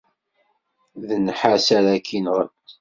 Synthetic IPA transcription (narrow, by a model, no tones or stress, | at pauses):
ðənħasæɾækʰinʁə